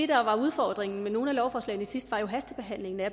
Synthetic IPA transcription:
e̝d̥ɑ̈ʋɑ̈uð̞ˠfɒ̰ːd̥ʁeŋn̩meno̝ːn̩ælɒʊfɒːslɛ̰ɪnəi̥sisd̥ʋɑ̈jo̝ɦæsd̥əb̥e̝ɦæn̰le̝ŋn̩æ

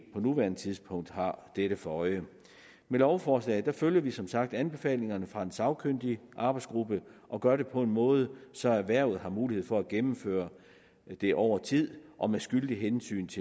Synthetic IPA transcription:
pʰɒ̽nuʋæɐnət͡sʰiðˠspʰɔ̽ŋ̰d̥hɑ̈d̥eɾ̥əfɒɒ̽ɪə | melɒʊfɒːslɛ̰ːɪd̥æføljɐʋisɒ̽msɑ̈ɡ̥̚d̥ænb̥e̝fɛ̰ːle̝ŋɐnəfʁɑ̈e̝nsɑ̈ʊkʰøn̰d̥iʔɑ̈ːb̥ɑ̈ɪdsɡ̥ʁub̥əʔɒ̽ɡ̥ɶɐɾ̥e̝pʰɒ̽e̝nmɔ̽ːð̞ˠəsɒ̽æʋæɐ̰ʊð̩ˠɦɑ̈muːlihe̝ð̞̰ˠfɒ̽æɡ̥emm̩fø̰ːɐ | d̥e̝ʔɒʊ̰ɐt͡sʰið̰ˠʔɒ̽mesɡ̥yld̥iɦensy̰ːnt͡sʰe

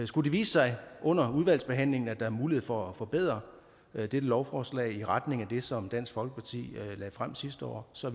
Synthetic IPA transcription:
sɡ̥ud̥iʋiːsəsɑ̈ɪʔɔ̽n̰ɐuð̞ˠʋæl̰sb̥e̝ɦæn̰le̝ŋn̩æd̥ɑ̈æɐmuːliheðˠfɒ̽æfɒ̽b̥e̝ð̰ˠʁɐ | d̥ed̥əlɒʊfɒːslɛ̰ɪiʁɑd̥ne̝ŋæd̥e̝sɒ̽md̥æn̰sɡ̥fɒ̽lɡ̥əpʰɑ̈t͡sʰḭːlɛðˠfʁam̰sisd̥əɒ̰ːsɒ

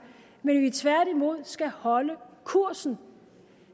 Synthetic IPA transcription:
menʋit͡sʰʋæɐɾ̥imo̝ð̞̰ˠsɡ̥æhɒ̽ləkʰuɐ̰sn̩

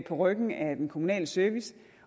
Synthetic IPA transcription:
pʰɒ̽ʁœɡ̥n̩æd̥enkʰo̝munɛ̰ːləsøɐʋis

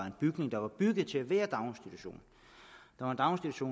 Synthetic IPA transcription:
ɑe̝nb̥yɡ̥ne̝ŋd̥ɑ̈ʋɑ̈b̥yɡ̥ð̩ˠt͡sʰe̝æʋæːɐd̥ɑ̈ʊnsd̥it͡sʰuɕo̝̰ːn | d̥ɑ̈ʋɑnd̥ɑ̈ʊnsd̥idʰuɕo̝̰ː

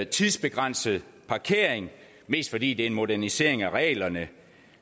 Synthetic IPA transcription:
t͡sʰiðˠsb̥e̝ɡ̥ʁɑn̰səð̩ˠpʰɑ̈kʰe̝̰ɐ̰eŋ | me̝̰ːsd̥fɒ̽d̥ḭːd̥e̝æe̝nmo̝dæɐnise̝̰ɐ̰e̝ŋæʁɛ̰ːlɐnə

